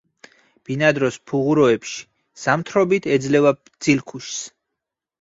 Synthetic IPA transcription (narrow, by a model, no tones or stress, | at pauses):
b̥inad̪ɾɔspʰuʁuɾɔɛpʃi̥ | samt̪ʰɾɔbit̪ʰɛd̪zlɛvab̪z̥ilkʰuʃs